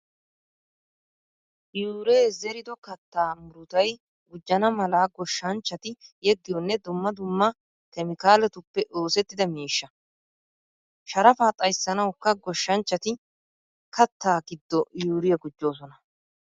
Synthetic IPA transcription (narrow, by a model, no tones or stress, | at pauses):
juːɾeːzɛɾɪd̪ɔkɐt̪ːaːmʊɾʊt̪ɐj | ɡʊd͡ʒːɐnɐmɐlaːɡɔʃːɐnt͡ʃːɐt̪ɪjɛɡːɪjɔnːɛd̪ʊmːɐd̪ʊmːɐ | kɛmɪkaːlɛt̪ʊpːɛʔo̞ːsɛt̪ːɪd̪ɐmiːʃːɐ | ʃɐɾɐfaːt̪ʼɐjsːɐnɐwkːɐɡɔʃːɐnt͡ʃːɐt̪ɪ | kɐt̪ːaːɡɪd̪ːɔjuːɾɪjɐɡʊd͡ʒːo̞ːs̬ɔnɐ